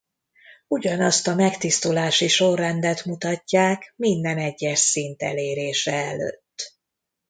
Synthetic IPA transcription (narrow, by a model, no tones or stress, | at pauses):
uɟɒnɒst̪ɒmɛkt̪ist̪ulaːʃiʃo̞rːɛnd̪ɛt̪mut̪ɒcːaːkmind̪ɛnɛɟːɛʃsint̪ɛ̰leːɾeːʃɛɛlø̰ːt̪ː